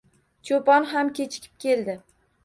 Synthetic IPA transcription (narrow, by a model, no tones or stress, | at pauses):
t͡ʃʰopɒnɦamkʲet͡ʃʰɪ̥kʲʰɪ̥p̚kʲʰe̞ld̪ɪ